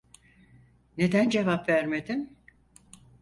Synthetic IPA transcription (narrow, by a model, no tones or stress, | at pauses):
ne̞d̪ænd͡ʒe̞vapvæɾmed̪im